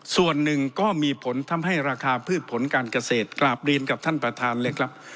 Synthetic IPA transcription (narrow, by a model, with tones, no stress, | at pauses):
su˨˩ənːɯ˨˩ŋkɔː˥˩miː˧pʰo˩˦nt̪ʰa˧mɦa˥˩jɾaː˧kʰaː˧pʰɯː˥˩t̪̚pʰo˩˦nkaː˧nka˧seː˨˩t̪̚klaː˨˩p̚ɾi˧nka˨˩p̚t̪ʰa˥˩npɾa˧t̪ʰaː˧nleː˧jkʰa˦˥p̚